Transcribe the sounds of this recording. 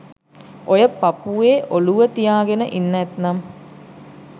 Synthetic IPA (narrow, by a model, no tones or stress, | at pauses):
ojəpːapuʋeːʔoluʋət̪ijaːɡenə̰ʔinːɛt̪nɐm